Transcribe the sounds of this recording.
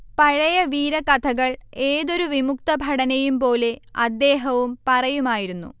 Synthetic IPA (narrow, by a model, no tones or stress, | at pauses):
pɐɻɐjɐʋiːɾɐkɐt̪ʰɐɣɐɭeːðo̞ɾuʋimuk̚t̪ɐbʱɐɽɐnɐjumpo̞ːle̞ɐd̪ːe̞ːɦɐʋumpɐrɐjumaːjiɾunːṵ